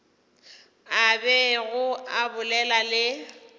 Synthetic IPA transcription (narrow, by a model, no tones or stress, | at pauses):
abɛɣʊabʊlɛlalɪ